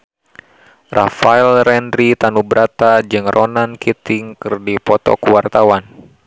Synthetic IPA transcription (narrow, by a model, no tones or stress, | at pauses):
rʔafaɛlrɛndɾit̪anubɾat̪ad͡ʒɨŋrʔɔnankit̪ɪŋkɨrdipɔt̪ɔ̰kuwart̪awan